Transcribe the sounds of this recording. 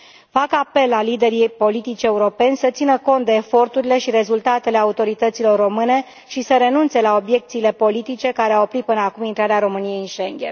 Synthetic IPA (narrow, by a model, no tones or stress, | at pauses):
fakape̞lalːid̪e̞ɾipo̞lit̪it͡ʃe̞uɾo̞pe̞nʲsət̪sinəko̞nt̪̚d̪e̞ːfo̞rt̪uɾile̞ʃiɾe̞zult̪at̪e̞le̞aut̪o̞ɾit̪ət̪silo̞rːo̞mɨne̞ | ʃisəɾe̞nunt̪se̞lao̞bje̞k̚t̪siːle̞po̞lit̪it͡ʃe̞kaɾeawopɾit̪̚pɨnəakumint̪ɾaɾeaɾo̞mɨnije̞jɨnʃeŋɡʲḛn